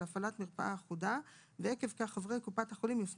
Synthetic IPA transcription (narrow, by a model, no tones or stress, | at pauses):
afalatmiʁpa̰ʔaːχuda | veekevkaχavʁejkupathaχolimjof